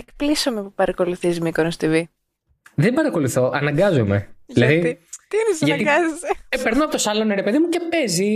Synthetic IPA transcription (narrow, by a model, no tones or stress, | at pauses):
ekplisomepupɐɾɐko̞luθizmikonost̪ivi | ðembɐɾɐko̞luθo̞ʔɐnɐŋɡɐzomḛʝilɐðiit̪iɾisɐʝɐɐt̪iɡɐzeseepeɾnoɐpot̪osɐlonɾepeðimuce̞pezi